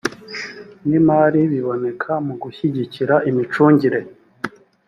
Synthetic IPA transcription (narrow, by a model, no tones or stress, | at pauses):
nimaːɾiβiβo̞ne̞kʰamuɡuçiɟiciɾaʔimit͡ʃuːɲɟiɾe̞